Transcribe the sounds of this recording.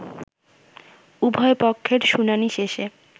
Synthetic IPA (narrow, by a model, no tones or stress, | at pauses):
ubʱɔepokʰːeɾʃunaniʃeʃe